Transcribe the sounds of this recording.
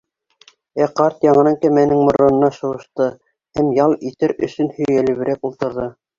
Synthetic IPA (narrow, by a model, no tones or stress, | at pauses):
æqɑɾt̪jɑŋɤ̆nɤŋkæmænɘŋmŏɾŏnɤ̆nɑʃɤ̆wɤ̆ʃt̪ɤ | hæmjɑlˠit̪ɘɾɵ̰̆sɵnhɵ̆jjælɘ̆βɘ̆ɾækulˠt̪ɤ̆ɾðɤ